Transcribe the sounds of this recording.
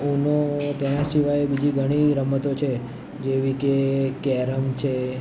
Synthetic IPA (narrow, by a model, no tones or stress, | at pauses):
unot̪ɛnasiʋajebid͡ʒiɡʱəɽ̃iɾəmət̪ot͡ʃʰe | d͡ʒeʋikekɛɾəmt͡ʃʰe